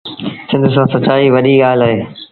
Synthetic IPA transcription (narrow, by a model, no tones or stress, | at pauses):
sɪ̃nd̪ʱsãːsɐt͡ɕaːiʋɐɗiɡaːlaːɦeː